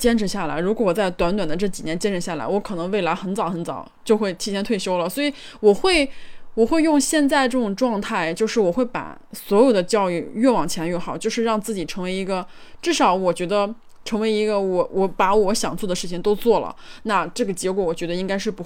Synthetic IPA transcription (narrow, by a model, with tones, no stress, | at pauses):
t͡ɕjɛ˥nʈ͡ʂʰɻ̩˧˥ɕja˥˩la˧˥ɪɻu˧˥kwɔ˧˥wɔ˨˩t͡sa˥˩ɪt̪wa˧˥nt̪wa˨˩nd̪ə˦ʈ͡ʂɤ˥˩t͡ɕi˨˩njɛ˧˥nt͡ɕjɛ˥nʈ͡ʂʰə˧˥ɕja˥˩la̰˧˥ɪwɔ˧˥kʰɤ˨˩nɤ˧˥ŋwe˥˩ɪla˧˥ɪxə˧˥nt͡sɑ˨˩ʊxə˧˥nt͡sɑ̰˨˩˦ʊt͡ɕjo˥˧ʊxwe˥˩ɪt̪ʰi˧˥t͡ɕʰjɛ˧˥nt̪ʰwe˥˩ɪɕjo˥ʊlə˩swɔ˧˥i˧˥ | wɔ˨˩xwe˥˩ɪwɔ˨˩xwe˥˧ɪjʊ˥˧ŋɕjɛ˥˧nt͡sa˥˧ɪʈ͡ʂɤ˥˩ʈ͡ʂʊ˨˩ŋʈ͡ʂwɑ˥˧ŋt̪ʰa˥˧ɪt͡ɕjo˥˧ʊʂɻ̩˥˩wɔ˨˩xwe˥˩ɪpa̰˨˩swɔ˧˥jo˨˩ʊd̪ə˦t͡ɕjɑ˥˧ʊy˥˧ɥɛ˥˩wɑ˨˩ŋt͡ɕʰɛ˧˥lɥɛ˥˩xɑ˨˩˦ʊt͡ɕjo˥˧ʊʂɻ̩˥˧ɻɑ˥˧ŋt͡sɹ̩˥˩t͡ɕi˨˩ʈ͡ʂʰɤ˧˥ŋwe˧˥ɪi˧˥ɡə˧ʈ͡ʂɻ̩˥˩ʂɑ˧˥ʊwɔ˨˩t͡ɕɥɛ˧˥d̪ə˧ | ʈ͡ʂʰɤ˧˥ŋwe˧˥ɪi˧˥ɡə˧wɔ˧˥wʔɔ˧˥pa˧˥wɔ˧˥ɕjɑ˨˩ŋt͡swɔ˥˩d̪ə˩ʂɻ̩˥˩t͡ɕʰi˨ŋt̪o˥ʊt͡swɔ˥˩lə̰˩na˥˧ʈ͡ʂɤ˥˩ɡə˩t͡ɕjɛ˧˥kwɔ˧˥wɔ˨˩t͡ɕɥɛ˧˥d̪ə˧i˥ŋka˥ɪʂɻ̩˥˩pu˧˥